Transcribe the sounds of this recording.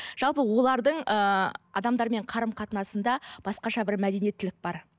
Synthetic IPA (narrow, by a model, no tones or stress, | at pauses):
ʒ̥ɑlˠpəwo̞lˠɑɾd̪əɴəɑ̰d̪ɑmd̪ɑɾme̞ɴqʰɑɾəmqʰɑt̪ənɑsənd̪ɑb̥ɑsqɑʃɑbɪɾmæd̪e̞nije̞t̪ːɪlɪk̚bɑɾ